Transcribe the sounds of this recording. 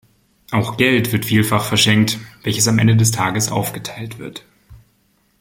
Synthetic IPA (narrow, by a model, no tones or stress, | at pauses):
ʔaʊxɡ̥ɛltv̥ɪɐtfiːlfaχfɛɐʃɛŋk̚tv̥ɛlçəsamʔɛ̰ndədɛstʰaːɡəsʔa̰ʊfɡ̥ətʰaɪltv̥ɪɐt